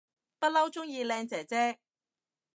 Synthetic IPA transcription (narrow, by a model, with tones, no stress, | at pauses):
pɐ˥t̚lɐ˥wt͡ʃʊ˥ŋjiː˧lɛː˧ŋt͡sɛː˨˩t͡sɛː˥k̚